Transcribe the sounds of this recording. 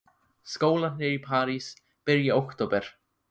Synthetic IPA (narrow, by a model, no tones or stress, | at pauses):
skoːwlanɪɾipʰaːɾis | pɪɾjaowkt̪oːwpɛɾ̥